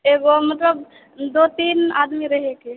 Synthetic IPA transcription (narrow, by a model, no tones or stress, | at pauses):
eɡomət̪ləb | d̪ot̪ina̰ːd̪miɾəɦeke